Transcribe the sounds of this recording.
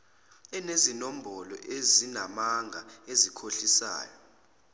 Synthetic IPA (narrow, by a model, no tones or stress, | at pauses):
ɛnezinom̩bɔlɔ̰ʔezinamaŋɡʱaezikʰoɬisa̰ːjɔ